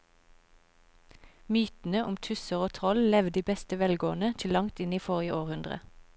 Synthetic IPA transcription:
myːt̪n̩əʔʊmt̪ʰʉsəʁoːt̪ʰʁɔllɛʋd̪iːbɛst̪əʋɛlɡoːnət̪ʰɪlɑŋt̪ɪniːfɔʁjəʔoːʁhʉnd̪ʁə̰

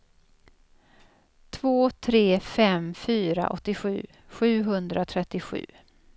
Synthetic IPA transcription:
t̪ʰvoːt̪ʰɾeːfɛmfyːɾa̰ʔɔ̰t̪ːɪɧʉ̟ː | ɧʉ̟ːɦɵnd̪ɾʔat̪ʰɾɛt̪ːɪɧʉ̟̰ː

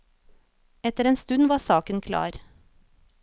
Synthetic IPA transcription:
ɛt̪əɾeːnst̪ʉnʋɑːsɑːkənkʰlɑ̰ːɾ

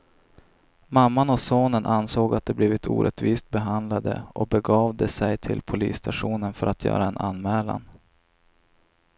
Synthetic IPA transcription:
mamːanɔsoːnənʔansoːɡat̪̚d̪ɛbliːvɪt̪ʰṵːɾʔɛt̪viːst̪̚bɛɦand̪lad̪ə̰ʔɔbɛɡɑːvd̪ɛsɛjt̪ʰɪlpʰʊlḭːsːt̪aʂuːnənfœɾat̪ʰjœ̰ːɾaɛnʔa̰nmɛːla̰n

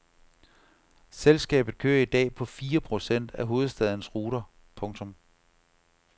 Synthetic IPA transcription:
selsɡ̥ɛ̰ːb̥ð̩ˠkʰø̰ːɐid̥ɛ̰ːpʰɒ̽fiːɐpʰʁo̝sen̰d̥æɦo̝ːð̞̩ˠsd̥ɛð̞ˠənəsʁuːɾ̥ɐ | pʰɔ̽ŋt͡sʰɔ̽m

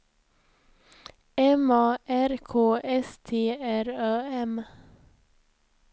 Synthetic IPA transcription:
ɛmɑːʔæɾkʰoːʔɛst̪ʰeːæɾɑːɛm

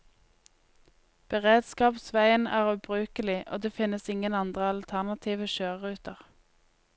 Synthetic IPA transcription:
b̥əʁeːd̪skɑːpsʋæɪənæ̰ːʁʉːbʁʉːkəlɪʔo̰ːd̪eːfɪnəsɪŋənɑnd̪ʁəɑlt̪ʰæʁnɑt̪ʰiːʋəʃøːʁʁʉːt̪əʁ

